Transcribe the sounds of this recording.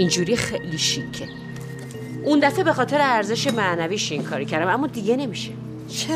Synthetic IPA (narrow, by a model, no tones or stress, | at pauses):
ind͡ʒuːɾixeʔliʃicʰːe | ʔund̪æfebe̞xɒːt̪ʰe̞ɾeæɾze̞ʃemænæviːʃiŋkʰɒːɾocʰæɾd̪æmæmːɒːd̪iɟene̞miʃe | t͡ʃʰ